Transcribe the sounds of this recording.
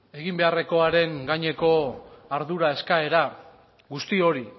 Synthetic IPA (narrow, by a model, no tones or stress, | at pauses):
e̞ɣimbe̞are̞ko̞aɾe̞ŋɡaɲe̞ko̞aɾðuɾae̞skae̞ɾa | ɣust̪io̞ɾi